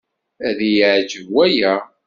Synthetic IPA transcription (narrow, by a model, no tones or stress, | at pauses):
æðijəʕd͡ʒəvwæjæ